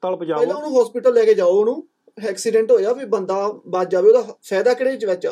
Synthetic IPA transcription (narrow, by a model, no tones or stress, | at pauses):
t̪aːlpəd͡ʒaːɛːd̪ãːʊnũːɦɔːspɪːʈəlːɛːkeːd͡ʒaːonũː | ɛːksiːɖɛ̃ːɳʈɦoːjaːpiːbənd̪aːbaːd̪d͡ʒaːbioːd̪aːpʰɛːd̪aːkəɽeːɪt͡ʃʋɛt͡ʃ